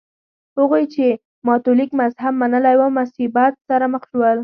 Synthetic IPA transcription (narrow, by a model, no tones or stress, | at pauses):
hʊɣojt͡ʃe | mɑt̪olikmazhabmanəlajwamasibat̪̚saɾaməxʃwəl